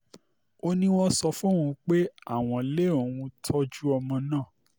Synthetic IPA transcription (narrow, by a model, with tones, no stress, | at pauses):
o˦nĩ˦w̃ɔ̃˦sɔ˧fũ˦wũ˧k͡pe˦a˦˨w̃ɔ̃˨le˦o˨w̃ũ˧tʰɔ˦d͡ʒu˦ɔ˧mɔ̃˧nãː˦˨